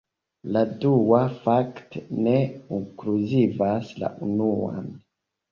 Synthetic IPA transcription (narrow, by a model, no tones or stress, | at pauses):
laduwafaktneuŋkluzivasla̰ʔunua̰n